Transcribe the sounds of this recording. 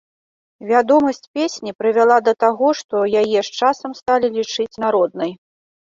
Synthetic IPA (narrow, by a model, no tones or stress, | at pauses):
vʲad̪ɔmɐsʲt͡sʲpʲesʲnʲipɾɨvʲalˠad̪ɐt̪aɣɔʂt̪ɔjajɛʂt͡ʂasɐmst̪alʲilʲit͡ʂɨt͡sʲn̪aɾɔd̪̚nɐj